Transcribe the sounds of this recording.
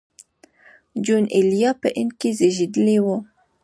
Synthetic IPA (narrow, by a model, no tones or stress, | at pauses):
d͡ʒunelijɑpɛʔinkizeʒid̪lewo